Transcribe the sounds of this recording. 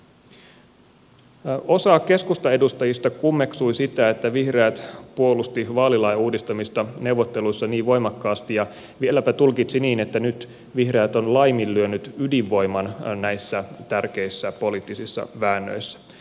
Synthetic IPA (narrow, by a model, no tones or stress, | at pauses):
o̞sɑːkkːe̞skust̪ɑe̞dust̪ɑjist̪ɑkumːe̞ksujsit̪æet̪ːæʋihreæt̪puo̞lust̪iʋɑːlilɑjuːdist̪ɑmist̪ɑne̞uwʋot̪ːe̞lujsːɑniːʋʋo̞jmɑkːɑːst̪ijɑ | ʋielːæpæt̪ulkit̪siniːnet̪ːænyt̪ | ʋihre̞ːt̪o̞nlɑjmilːyønyt̪ydiʋːo̞jmɑnnæjsːæt̪ærke̞isːæpo̞lit̪ːisisːɑ̰ʋæːnːø̰jsːæ̥